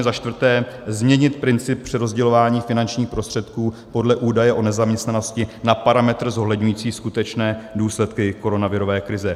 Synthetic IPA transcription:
ɛzaʃt̪vrt̪ɛː | zmɲɛɲɪt̪̚pɾɪnt͡sɪp̚pːr̝̥ɪɾo̞zɟɛlo̞vaːɲiːfɪnant͡ʃɲiːxpɾo̞st̪r̥ɛt̪kuː | po̞dlɛʔuːdajɛʔo̞nɛzamɲɛst̪nano̞scɪnapaɾamɛt̪r̩zo̞ɦlɛdɲujiːt͡siːskut̪ɛt͡ʃnɛːduːslɛt̪kɪko̞ɾo̞navɪɾo̞vɛːkɾɪzɛ

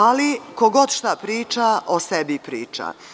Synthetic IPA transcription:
alikoɡo̞d̪ʃt̪apɾiːt͡ʃaʔosebipɾiːt͡ʃa̰

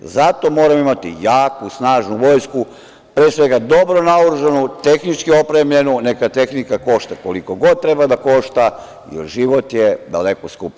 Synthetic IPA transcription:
zat̪o̞mo̞ːɾamimat̪ḭjaːkusnaːʒnuʋo̞ːjsku | pɾeːsʋe̞ɡad̪o̞bɾo̞nauɾuʒanut̪e̞xnit͡ʃkio̞pɾe̞mʎe̞nune̞kat̪e̞xnikako̞ʃt̪ako̞likoɡo̞d̪̚t̪ɾe̞bad̪ako̞ʃt̪a | jḛlʒiʋo̞t̪jed̪a̰le̞koskup

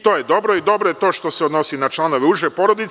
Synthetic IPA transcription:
t̪o̞ːjed̪o̞bɾo̞id̪o̞bɾo̞jet̪oʃt̪o̞seod̪no̞sinat͡ʃlˠano̞ʋeuʒepo̞ɾo̞d̪it̪

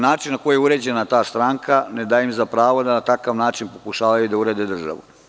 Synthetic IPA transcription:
naːt͡ʃinːako̞jujeuɾe̞ːd͡ʑe̞nat̪aːst̪ɾaŋkʰaned̪ajimzapɾaːʋod̪anat̪akaʋnaːt͡ʃinpo̞kuʃaːʋajud̪auɾeːd̪ed̪r̩ʒa̰ʋṵ

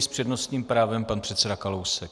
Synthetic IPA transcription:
spr̝̥ɛdnost̪ɲiːmpɾaːvɛmpanpr̥ɛt̪sɛdakalowsɛk

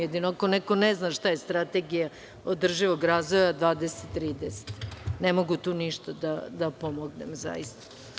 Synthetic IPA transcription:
jed̪inoakonɛko̞neznaʃt̪ajest̪ɾat̪eɡija | od̪r̩ʒiʋo̞ɡɾaːzʋo̞jad̪ʋaːd̪ese̥t̪t̪ːɾiːd̪ese̥t̪nemoɡut̪uːniʃt̪ad̪ad̪apomoɡnḛmza̰jist̪ḁ

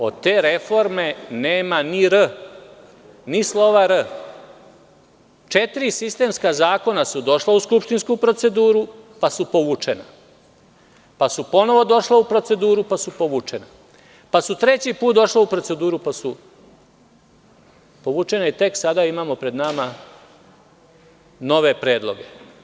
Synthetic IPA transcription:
o̞̰d̪t̪e̞ɾefo̞ɾme̞neːmaniɾə | nislˠo̞ʋaɾə | t͡ʃet̪iɾisist̪e̞ːmskazaːko̞nasud̪o̞ʃlauskupʃt̪inskupɾo̞t̪se̞d̪uːɾupasupo̞ʋuːt͡ʂena̰ | pasupo̞no̞ʋo̞d̪o̞ʃlaupɾo̞t̪se̞d̪uːɾupasupo̞ʋuːt͡ʂe̞na | pasut̪ɾe̞t͡ɕipuːt̪̚d̪o̞ʃlaupɾo̞tse̞d̪uːɾupasu | po̞ʋuːt͡ʃe̞nait̪e̞ksad̪aimaːmo̞pɾe̞d̪nama | no̞ʋe̞pɾeːd̪lˠo̞ɡe̞

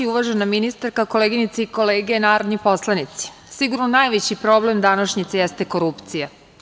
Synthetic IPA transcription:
iuʋaʒenaminist̪aɾkako̞leɡinit̪seiko̞leːɡenaːɾod̪nipo̞slˠanit̪si̥ | siɡuɾnonajʋet͡ɕipɾo̞ble̞md̪anaʃɲit̪sejest̪eko̞ɾupt̪sija

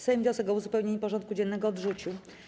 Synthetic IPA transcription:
sajɛmvʲɔsɛɡɔuzupɛwɲeɲipɔʐɔnt̪kud͡ʑɛnːɛɡɔːd̪ʐut͡ɕu

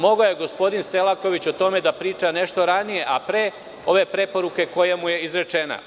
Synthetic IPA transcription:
mo̞ɡajeɡo̞spo̞d̪inse̞lˠako̞ʋit͡ɕot̪o̞me̞d̪apɾiːt͡ʃane̞ʃt̪o̞ɾanije̞ʔapɾeː | o̞ʋe̞pɾe̞po̞ɾuke̞ko̞jamuje̞izɾe̞t͡ʃe̞na̰

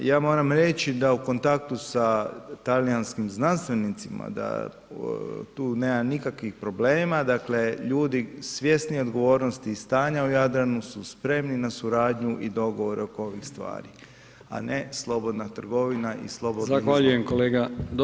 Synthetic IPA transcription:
jaːmo̞ːɾamɾe̞t͡ɕid̪auko̞nt̪ak̚t̪usat̪alijanskimznanst̪ʋe̞nit̪sima̰d̪a̰ | t̪uːne̞ːmanikakʋixpɾo̞ble̞ːmad̪akle̞ʎuːd̪isʋje̞snio̞d̪ɡo̞ʋo̞ːɾnost̪iːst̪aːɲaujad̪ɾanususpɾe̞mninasuɾaːd̪ɲuʔid̪o̞ɡo̞ʋo̞ɾeo̞koo̞ʋixst̪ʋa̰ːɾi | a̰ne̞slˠo̞bo̞d̪nat̪r̩ɡo̞ʋinaʔḭslˠo̞bozaʋaʎujemkoleːɡad̪

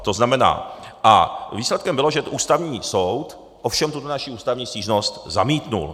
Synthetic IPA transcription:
t̪o̞znamɛna̰ːʔa̰viːslɛt̪kɛmbɪlo̞ʒɛʔuːst̪avɲiːsowt̪ | ʔofʃɛmt̪ut̪onaʃiuːst̪avɲiːsciːʒno̞st̪zamiːt̪nṵl

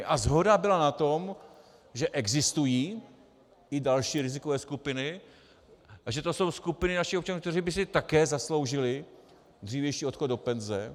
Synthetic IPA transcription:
ʔazɦo̞dabɪlanat̪o̞m | ʒɛʔɛɡzɪst̪ujiː | ɪdalʃiːɾɪzɪkovɛːskupɪnɪ | aʒɛt̪o̞so̞wskupɪnɪnaʃɪxopt͡ʃanukt̪ɛriːbɪsɪt̪akɛːzaslo̞wʒɪlɪ | d̪r̝iːvjɛjʃiːo̞t̪xod̪o̞pɛnzɛ

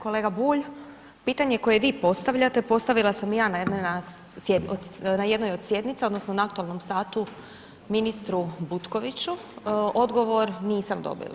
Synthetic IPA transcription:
ko̞leːɡabuːʎ | piːt̪aɲe̞ko̞je̞ʋiːpo̞st̪aʋʎat̪epo̞st̪aʋilˠasamjaːnajed̪nona | ed̪onaje̞d̪nojo̞d̪sje̞d̪nit̪seo̞d̪no̞snonaak̚t̪uelˠno̞msaːt̪u | minist̪ɾubut̪ko̞ʋit͡ɕu | o̞d̪ɡo̞ʋo̞ɾniːsamd̪o̞̰bḭlˠa̰

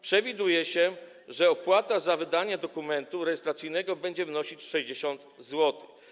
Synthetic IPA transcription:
pʂɛvʲid̪ujɛɕɛ | ʐɛɔpwat̪azavɘd̪aɲad̪ɔkumɛnt̪uɾɛjɛst̪ɾat̪sijnɛɡɔbɛɲd͡ʑɛvnɔɕit͡ɕʂɛʑd͡ʑeɕɔnt̪zwɔt̪ɘ̥x

